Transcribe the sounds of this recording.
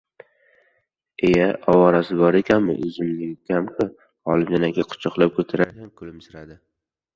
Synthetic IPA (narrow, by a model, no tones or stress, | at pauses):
ejaʔɒwaɾasɪbɒɾe̞kʲʰanmɪ̰ʔɪzɪmnɪɡʲɪkʲamkʰʊ | ɒlˠɪmd͡ʒanaɡʲaqʰʊ̥t͡ʃʰɑqlˠap̚kʰɵt̪ʰaɾaɾjamkʰʊlɪmsɪɾad̪ɪ